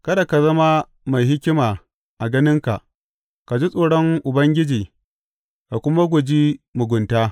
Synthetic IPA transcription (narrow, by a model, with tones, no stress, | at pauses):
kɐ˦da˨ka˨zɐ˦ma˦ | ma˨jɦɪ˦kʲɪ˦maː˨ | ʔa˨ɡɐ˦nɪ˦ŋka̰˨ʔ | ka˨d͡ʒi˦sʼoː˨ɽɔ˦ŋʔʊ˨bɐ˦ŋɡʲɪ˦d͡ʒiː˨ | ka˨kʷʊ˦ma˦ɡʷʊ˨d͡ʒiː˦mʊ˨ɡʷʊ˨ntaː˦